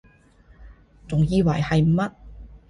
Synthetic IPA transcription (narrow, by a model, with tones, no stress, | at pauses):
t͡sʊ˨˩ŋjiː˧wɐ̰˨˩jhɐ˨jm̩˨˩mɐ˥t̚